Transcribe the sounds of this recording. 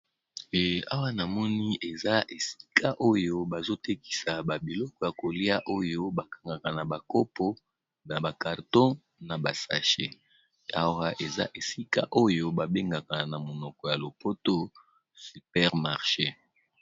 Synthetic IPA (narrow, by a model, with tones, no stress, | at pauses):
a̰˦wa˦na˨mɔ˦ni˦ʔe˨za˦ʔe˨si̥˦kʰa˦ʔo˦jo˦ba˨zo˦te˦ki̥˨sa˨ba˨bi˨lɔ˦kɔ˨ja˨ko˨li˦a˦ʔo˦jo˦ba˨kḁ˨ŋɡa˨ka˨na˨ba˨ko˦pʰo˦ | na˨ba˨ka˨ʁtɔ̃˦ | na˨ba˨sa̰˨ʃe˦ | a˨wa˦ʔe˨za̰˦ʔe˨si˦ka˦ʔo˦jo˦ba˨be˦ŋɡa˨ka˨na˨mo˨nɔ˨kɔ˨ja˨lo˨po˦to˦ | sy˨pɛ˦ʁma˨ʁʃe˦